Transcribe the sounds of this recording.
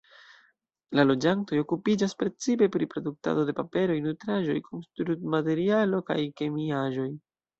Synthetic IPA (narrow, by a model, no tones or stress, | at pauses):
lalo̞d͡ʒanto̞jo̞kupid͡ʒaspɾe̞t͡sipe̞pɾipɾo̞duk̚ta̰do̞de̞pape̞ɾo̞jnutɾaʒo̞jkʰomstɾutmate̞ɾialo̞ka̰jke̞miaʒo̞j